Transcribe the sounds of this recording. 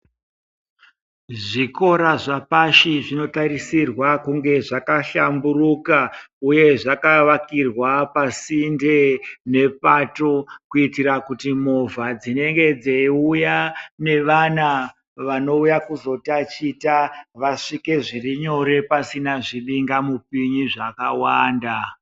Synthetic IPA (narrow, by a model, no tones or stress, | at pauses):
ʐiko̞ɾaʐapaʃiʐino̞taɾisirwakuŋɡe̞ʐakaɬamburukauje̞ʐakaʋakirwapasinde̞ne̞p̚ato̞kuitiɾakutimo̞vad͡zine̞ŋɡe̞d͡zeiujane̞ʋana | ʋano̞ujakuzo̞tat͡ʃitaʋaʂike̞ʐiriɲo̞ɾe̞pasinaʐiɓiŋɡamup̚iɲiʐakawaːnda